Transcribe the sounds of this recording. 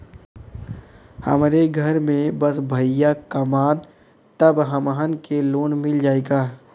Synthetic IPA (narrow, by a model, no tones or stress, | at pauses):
hə̰mɾeɡʱɐɾmẽbɐsbʱɐjakɐmaːd | t̪əbɦɐməɦənkeloːnmɪld͡ʒaːeːɡaː